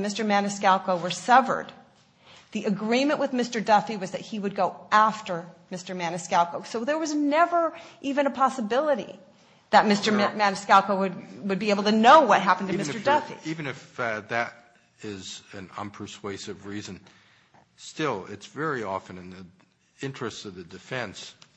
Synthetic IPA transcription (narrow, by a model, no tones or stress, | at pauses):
mɪstə˞mænɨskælˠkoʊwə˞sʌvə̰˞d̪̚ | ðiʔɨɡɹĩmɨ̃nʔwɨðmɪstə˞dʌfiwʌzðɨt̚hiwɨd̚ɡoʊæftə˞mɪstə˞mænɨskælˠkoʊsoʊðə˞wʌznɛvə˞ʔivɨ̃nɨpʰɑsəbɪlˠəɾḭ | ðɨt̚mɪstə˞mænɨskælˠkoʊwɨd̚wɨd̚bieɪbl̩ˠtɨnoʊwʌt̚ɦæpn̩tɨmɪstə˞dʌfḭivɨ̃nɨfðɨɾ | ɪzɨ̃nʌ̰̃npʰə˞sweɪsɨvɹizɨ̃n | stɪlˠɪ̰tsvɛɹiɔfɨ̃nɨ̃nðə | ɪ̃nt͡ʃɹ̥ɨstsʌvðɨdɨfɛ̃ns